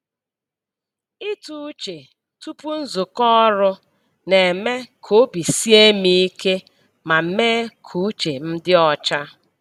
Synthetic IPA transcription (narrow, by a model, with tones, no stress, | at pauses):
i˦tu˦t͡ʃe˨ | tu˦pu˦n̩˦zʊ˨kɔ˦ɾʊ˦ | ne˨me˦kʰo˦bi˨si˦e˦mi˦i˦ke˦ | ma˨m̩˦me˦kʰu˨˦t͡ʃe˨m̩˦dɪ˦ɔ˨t͡ʃa˦